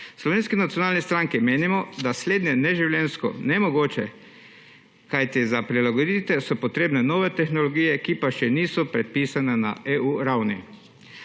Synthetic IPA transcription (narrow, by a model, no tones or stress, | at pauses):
slɔʋeːnskɛnat̪iɔnaːlnɛst̪ɾaŋkimeːnimɔd̪asleːd̪njɛnɛʒiwljɛnskɔ̰nɛmɔɡoːt͡ʃɛ | kajt̪izapɾilaɡod̪it̪ɛsɔpɔt̪ɾeːbnɛnoːʋɛt̪ɛxnɔlɔɡiːjɛkipaʃɛniːsɔpɾɛt̪̚piːsanɛna̰euːɾawnḭ